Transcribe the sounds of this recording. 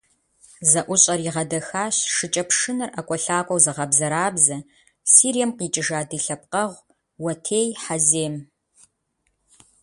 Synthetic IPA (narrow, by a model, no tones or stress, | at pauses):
zɐʔʷʊɕʼɐriʁɐdɐxaːɕʂɨt͡ʃʼɐpʂɨnɨrʔɐkʷʼɔɬaːkʷʼɔwzɨʁɐbzɐɾaːbzɐ | siːɾijɛmqiːt͡ʃʼɪʒaːdɨɬɐp̚qɐʁʷ | wɐtʰeːjħazeːm